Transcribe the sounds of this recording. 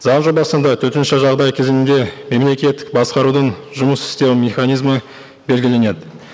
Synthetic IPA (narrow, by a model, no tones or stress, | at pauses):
zɑnʒo̞bɑsənd̪ɑt̪ʰɵt̪ɪnʃɪʒɑʁd̪ɑjkʲʰe̞zɪnɪnd̪e̞me̞mle̞kʲe̞t̪ːɪ̥k̚bɑsqɑɾud̪əɴʒʊməsɪ̥st̪e̞wmʲeχanijzmə | be̞lʲɡʲɪle̞ne̞d̪ɪ